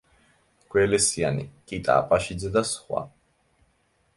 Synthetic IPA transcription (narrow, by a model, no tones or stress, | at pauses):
ɡ̥wɛlɛsianḭkʼit̪ʼa̰ːpʼaʃid̪zɛd̪asχwa̰